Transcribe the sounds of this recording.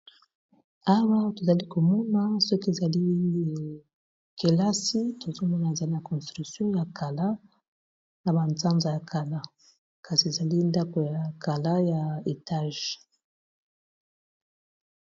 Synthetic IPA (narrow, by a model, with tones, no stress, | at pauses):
a˦wa˦to˨za˨li˦ko˨mɔ˦na˦sɔ˦ke˨za˨li˦ | ke˨la˦si˦tʰo˨zo˦mɔ˦na˨e˨za˨li˦na˨kɔ̃˨stʁy˨ksjɔ̃˦ja˨ka˨la˦ | na˨ba˨nt͡sa˦nza˨ja˨kʰa˨la˦ | ka˨si˨e˨za˨li˦nda˦ko˨ja˨ka˨la˦ja˨e˨ta˦ʒ